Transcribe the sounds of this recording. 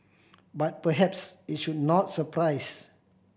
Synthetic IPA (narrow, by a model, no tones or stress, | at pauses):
bat̚pəɦɛpsit̚ʃud̚nɔt̚səpʰɾajs